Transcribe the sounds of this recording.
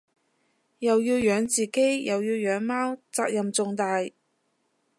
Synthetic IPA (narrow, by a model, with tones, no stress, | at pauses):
jɐ˨wjiː˧wjœː˨˥ŋt͡siː˨ke˥jjɐ˨wjiː˧wjœː˨˥ŋmaː˥wt͡saː˧k̚jɐ˨mt͡sʊ˨˧ŋt̪aː˨j